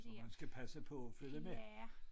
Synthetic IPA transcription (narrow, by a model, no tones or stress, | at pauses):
ɒmænsɡ̥æpʰæsəpʰɒ̽ːføləme